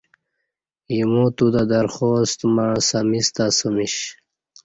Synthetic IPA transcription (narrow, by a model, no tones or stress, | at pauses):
imot̪ud̪ad̪aɾxoːst̪mãsamist̪asəmiɕ